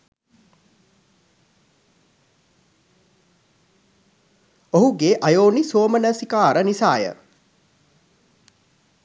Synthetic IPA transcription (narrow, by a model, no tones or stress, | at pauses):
oɦuɡeːʔajoːnisoːmənəsikaːɾənisa̰ːjə̰